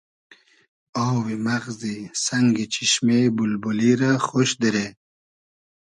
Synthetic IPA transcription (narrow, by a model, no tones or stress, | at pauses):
owwimaɣzisɐŋɡit͡ɕʰiɕmebulbuliɾaxoʃd̪iɾe